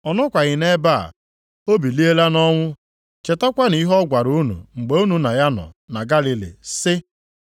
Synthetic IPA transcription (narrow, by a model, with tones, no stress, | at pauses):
ɔ˨nɔ˦kʷa˨ɣɪ˨ne˦ba̰˦˨ | o˦bi˨li˦e˦la˦nɔ˦ŋʷʊ˦ | t͡ʃe˨ta˦kʷa˦ni˦ɦɔ˦ɡʷa˨ɾu˦nṵ˨ŋ͡m̩˨ɡ͡be˨u˦nu˨na˨ja˦nɔ̰˨na˨ɡa˦li˦lḭ˨sɪ˦